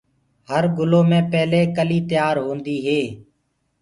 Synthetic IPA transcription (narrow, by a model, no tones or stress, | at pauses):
həɾɡʊloːmẽːpɛːleːkəliːt̪ɪjaːɾɦõːnd̪iːɦeː